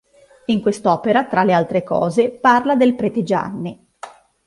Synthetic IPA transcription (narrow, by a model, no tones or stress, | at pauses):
iŋkwest̪ɔːpeɾat̪ɾalːealt̪ɾekɔ̰ːzeparlad̪elpɾeːt̪ed͡ʒa̰nːi